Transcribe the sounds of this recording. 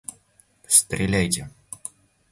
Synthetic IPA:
st̪ɾʲɪlʲæjtʲɪ

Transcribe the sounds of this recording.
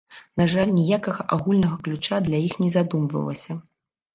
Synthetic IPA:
naʐalʲnʲijakɐɣɐʔaɣulʲnɐɣɐklʲut͡ʂad̪lʲajixnʲɛzad̪umvɐ̰lˠɐ̰sʲɐ

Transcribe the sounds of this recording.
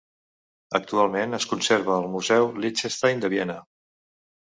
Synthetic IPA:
ək̚t̪ualˠmenəskunseɾβəːlˠmuzɛwlit͡ʃest̪ajnd̪əβiɛnə

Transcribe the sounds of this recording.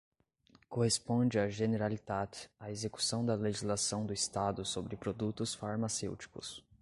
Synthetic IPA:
kohespõd͡ʒɪaʒeneɾalid̪ad̪ɪaezeku̥sɐ̃w̃d̪ɐleʒizlasɐ̃w̃d̪ʊist̪ad̪ʊsobɾɪpɾod̪ut̪ʊsfaɾmasewt͡ʃi̥kʊ̰s

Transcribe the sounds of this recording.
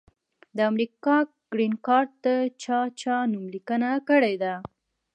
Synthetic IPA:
d̪əamɾikɑ | ɡ̥ɾinkɑɾ̚d̪ət͡ʃɑt͡ʃɑnumlikənakəɽed̪a

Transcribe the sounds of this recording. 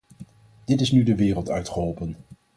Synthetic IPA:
d̥ɪtɪsnydəʋɪːrəlˠtœɥtχəɦɔlˠpən

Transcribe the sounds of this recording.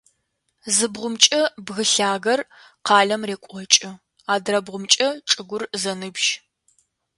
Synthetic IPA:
zɨbʁʷʊmt͡ʃʼɐbɣɨɬaːɣɐr | qɑːɮɐmreːkʷʼɔt͡ʃʼɪ | aːdrɐbʁʷʊmt͡ʃʼɐʈ͡ʂʼɨɡʷʊrzɐnɨbʒ

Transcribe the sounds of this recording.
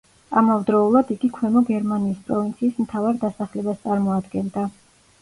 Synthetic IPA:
amavd̪ɾɔulˠad̪iɡikʰwɛmɔɡɛɾmaniːspʼɾɔvint̪sʰiːsmt̪ʰavaɾd̪asaχlɛbast̪sʼaɾmɔad̪ɡɛnd̪a

